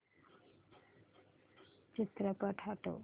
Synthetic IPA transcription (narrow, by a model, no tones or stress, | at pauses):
t͡ʃit̪ɾəpəʈʰaʈo̰